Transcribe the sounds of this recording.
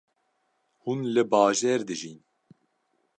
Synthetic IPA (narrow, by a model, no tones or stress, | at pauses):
hunlɨbɑːʒɛːɾd̪ɨʒin